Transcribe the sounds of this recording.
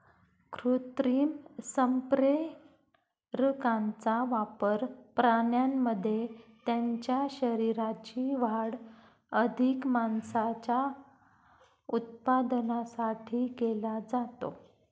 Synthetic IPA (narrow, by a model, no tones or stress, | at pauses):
kɾut̪ɾiːmsəmpɾe | ɾəkãnt͡saʋapəɾpɾaɳjamːəd̪ʱːjet̪jaɲt͡ɕjaɕəɾiɾat͡ɕiʋaɽ | əd̪ʱikmansat͡ɕa | ut̪̚pad̪nasaʈʰiːkelad͡zat̪o̰